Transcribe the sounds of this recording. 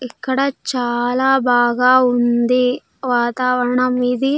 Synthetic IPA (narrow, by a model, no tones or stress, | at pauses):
ikːɐɽɐt͡ʃaːlaːbaːɡaːund̪i | ʋaːt̪aːʋɐɾɐɳɐmid̪i